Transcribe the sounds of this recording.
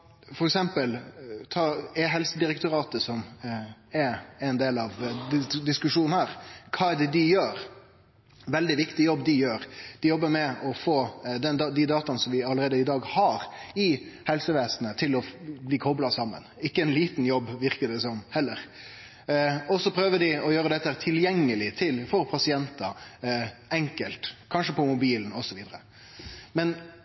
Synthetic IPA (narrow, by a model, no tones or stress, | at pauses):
fɔɾɛksɛmpəlt̪ʰɑːɛɦɛlsəd̪ɪɾɛkt̪ʊɾɑːt̪əsɔm | ɛɛnd̪eːlɑʋ̪d̪ɪskʉʂuːn̩hæɾkʰɑːɛd̪ɛd̪ɪjøːɾ | ʋɛld̪ɪʋɪkt̪ɪjɔbd̪ɪjøːɾd̪̥ɪjɔbːəɾmɛɔfoːd̪ɛnd̪d̪ɪd̪ɑːt̪ɑnəsɔmʋɪɑləɾeːd̪əɪd̪ɑːɡhɑɾɪhɛlsəʋeːsnət̪ʰɪlɔbliːkʰɔblɑsɑmːə̰nɪkːəɛnliːt̪n̩jɔbːʋɪɾkəd̪ɛsɔmhɛlːəɾ | ɔsɔpʰɾøːʋəd̪ɪɔjøːɾəd̪ɛt̪ːəhæɾt̪ʰɪljɛŋːəlɪt̪ʰɪlfɔɾpʰɑsɪɛnt̪ɑ | ɛŋkəlt̪kʰɑnʂəpʰɔmʊbiːln̩ɔsɔʋiːd̪əɾə | mɛn